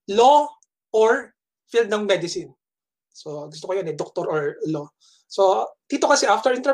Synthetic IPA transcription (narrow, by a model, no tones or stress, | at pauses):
lo | ʔoɹ | fild̪̚nɐŋmɛd̪ɪsɪn | soɡʊs̬t̪okojonɛd̪ok̚t̪oɾʔɔɹlo | sod̪̥iːt̪o̞kɐsɛʔaft̪ɛɹʔɪnt̪ɛ